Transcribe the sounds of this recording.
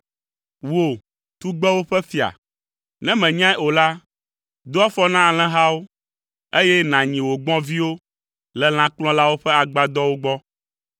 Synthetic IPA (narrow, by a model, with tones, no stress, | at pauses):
wo˨ | t̪u˦ɡ͡bɛ˦wo˦ɸɛ˦fi˨a̰˨ | nɛ̃˦mɛ̃˨ɲã˦o˨la˦ | d̪o˦a˦fɔ˦nã˦a˨l̃ɛ̃˦ɦa˦wo˦ | e˦jɛ˦nã˨ɲĩ˨wo˨ɡ͡bɔ̃˦vi˦wo˦ | lɛ˨l̃ã˦k͡plɔ̃˦la˦wo˦ɸɛ˦a˨ɡ͡ba˦d̪ɔ˦wo˦ɡ͡bɔ˦